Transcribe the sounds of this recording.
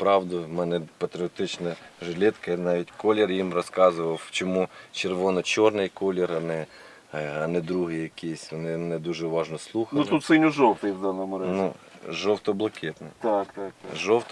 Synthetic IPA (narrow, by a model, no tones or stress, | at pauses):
pɾɑwd̪ʊmɛnɛpɐt̪ɾʲɪɔt̪ɪt͡ʃnɐʒlʲɪt̪kɐnɑʋʲitʲkɔlʲɪrjimrɔskɑzʊʋɐwt͡ʃɔmut͡ʃerʋɔnɔt͡ʃɔrnɪjkɔlʲɪrɐnɛ | ɐnɛd̪ɾuɦɪjjɐkʲisʲɔnɪmnɛd̪uʒɛʋɑʒnɔslˠuxɐnlʊt̪ut̪sɪnʲʊʒɔwt̪ɪjwd̪ɑnɔmʊɾɑznʲṵʒɔwt̪ɔblˠɐkʰʲɪt̪nɪt̪ɑkt̪ɑkʒɔwt̪ɔ